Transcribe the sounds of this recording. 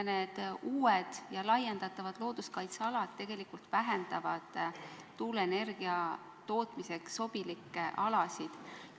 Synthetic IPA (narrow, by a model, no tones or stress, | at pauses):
ne̞ːd̪̥uːed̪̥jɑlɑjend̪ɑt̪ːˑɑvɑd̪̥lo̞ːd̪̥uskɑjt̪sɑɑlɑd̪̥t̪e̞ɡ̥e̞likult̪væɦend̪ɑvɑd̪̥ː | uːlene̞rɡ̥iɑ | t̪o̞ːt̪ˑmise̞kso̞b̥ilikːˑeʔɑlɑsid̪̥